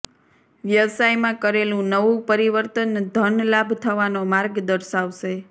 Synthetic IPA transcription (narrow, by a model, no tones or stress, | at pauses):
ʋjəʋsajmãkəɾelũnəʋũpəɾiʋəɾt̪ənd̪ʱənlabʱt̪ʰəʋanomaɾɡd̪əɾʃaʋʃe